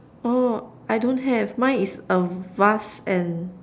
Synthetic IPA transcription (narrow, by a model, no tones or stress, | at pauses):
oʔajdõnɦɛvmãjnisəvasɛ̃n